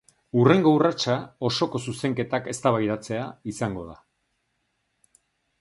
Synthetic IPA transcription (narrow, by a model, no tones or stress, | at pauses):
ure̞ŋɡo̞urat͡ʃao̞so̞ko̞suse̞ŋke̞t̪ake̞st̪aβ̞ajðat͡se̞aisaŋɡo̞ð̞a